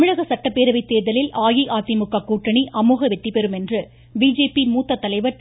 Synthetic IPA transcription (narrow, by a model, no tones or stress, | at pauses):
t̪ɐmɪɻɐɣɐsɐʈːɐpːeːɾɐʋɐɪt̪ːeːðɐlɪlʔaːjiʔaːt̪ːimʊkːɐkːuːʈrɐɳiʔɐmuːɣɐʋɛt̪ːipɛɾɯmɛndrɯ | biːd͡ʒeːpimuːt̪ːɐt̪ːɐlɐɪʋɐɾ